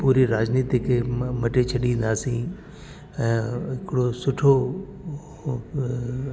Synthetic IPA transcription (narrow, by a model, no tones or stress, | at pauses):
puːɾiɾaːd͡ʑniːt̪ikʰemɐʈet͡ɕʰɐɗĩnd̪aːsĩ | ɛ̃ːɦɪkɽosʊʈʰo